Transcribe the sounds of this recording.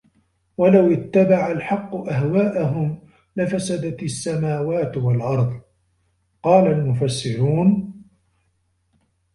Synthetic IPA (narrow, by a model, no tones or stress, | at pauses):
walawɪt̪ːabaʕalħɑqːʊʔaɦwaːʔaɦʊm | lɪfasad̪at̪sːamaːwaːt̪walʔɑɾˤðˤ | qɑːlalmʊfasːɪɾuːn